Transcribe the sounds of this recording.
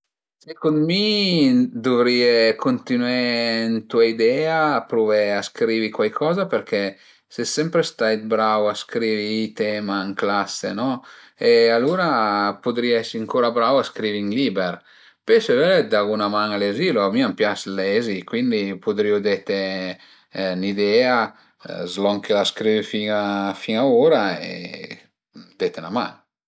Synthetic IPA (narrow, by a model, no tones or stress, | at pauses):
sekonmi | d̪uvɾiekont̪inwent̪uaid̪ɛːaːpɾuvɛaskɾiːvikwajkʰɔːzapeɾkɛ | sesɛmpɾest̪ajt̪̚bɾawaskɾiːviːt̪ɛmaiŋklasːḛnɔ | ealuːɾapud̪ɾiɛsiaŋkoːɾabɾawaskɾiviŋlibɛr | peseveled̪aɣunamaŋaleziloamiampjaslɛzikwind̪ipud̪ɾiːud̪ɛt̪e | nid̪ɛːa | zlɔŋkʰelaskɾiːvifiŋafiŋaoːɾaḛ | d̪et̪enama̰ŋ